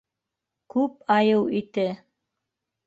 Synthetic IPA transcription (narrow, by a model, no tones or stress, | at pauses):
kʉpɑjɤwit̪ɘ